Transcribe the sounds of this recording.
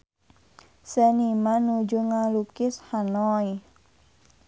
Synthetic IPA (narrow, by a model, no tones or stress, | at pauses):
sɛnimanud͡ʒuŋalukɪshanɔi